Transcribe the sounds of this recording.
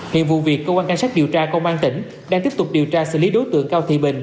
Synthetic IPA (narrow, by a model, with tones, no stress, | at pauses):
hḭ˧˨ənvṵ˧˨vi˨˩əkːəː˧kwaː˧nka˧ŋ̟saː˦˥k̚ɗi˨˩əwt͡ɕaː˧kɔ˧wŋ͡mmaː˧ŋt̪ï˧˩ŋ̟ | ɗaː˧ŋt̪i˦˥p̚t̪ʊ˨˩k͡p̚ɗi˨˩əwt͡ɕaː˧sɨ̰˧˨li˨˦ɗo˨˦jt̪ɨ̰˧˨əŋkaː˧wt̪ʰḭ˧˨ɓï˨˩ŋ̟